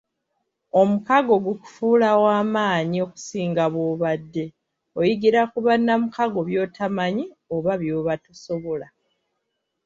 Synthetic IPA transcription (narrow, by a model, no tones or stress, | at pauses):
o̞mukaɡo̞ɡuku̥fuːlawaːmaːɲio̞ku̥siːŋɡaβwoːβadːe̞ | ojiɡiɾakuβanːamukaɡo̞βjo̞ːtʰamaɲioβaβjo̞ːβatuso̞βola